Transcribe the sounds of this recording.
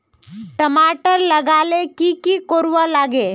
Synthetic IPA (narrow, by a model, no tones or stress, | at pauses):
ʈəmaːʈəɾləɡaːlekikikoːɾʋalaːɡe